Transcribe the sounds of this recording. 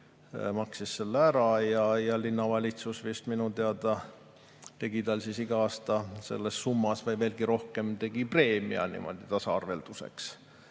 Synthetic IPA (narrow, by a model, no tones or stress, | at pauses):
mɑksisːe̞lːeæɾɑjɑjɑlinːɑvɑlʲit̪susvist̪minut̪eɑd̪ɑ | t̪e̞ɡ̥it̪ɑlsisiɡ̥ɑɑːst̪ɑse̞̰lːesːumːɑsvɤjve̞ːlɡ̥iɾo̞hke̞mt̪e̞ɡipre̞ːmḭɑ̰nḭmʔo̰d̪̥it̪ɑsɑɑrve̞̰ld̪̥use̞̰ks